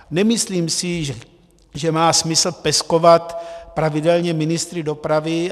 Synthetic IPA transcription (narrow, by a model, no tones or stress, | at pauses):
nɛmɪsliːmsɪ | ʒɛmaːsmɪsl̩pɛsko̞vat̪pɾavɪdɛlɲɛmɪnɪst̪ɾɪdo̞pɾavɪ